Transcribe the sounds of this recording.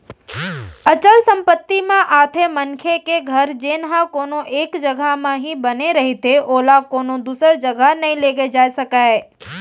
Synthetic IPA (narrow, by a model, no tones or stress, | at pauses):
ɐt͡ʃəlsɐ̃mpət̪ːimẽʔaːt̪ʰemɐnkʰekeɡʱɐɾd͡ʒeːnɦãkoːnoʔeːkd͡ʒɐɡʱamãɦibɐneɾɐɦit̪ʰeʔoːlakoːnod̪uːsəɾd͡ʒɐɡʱənɐɦĩleːɡed͡ʒaːesɐkaːe